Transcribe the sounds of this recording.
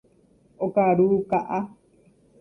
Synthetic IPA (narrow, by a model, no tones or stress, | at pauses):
okaɾukaʔa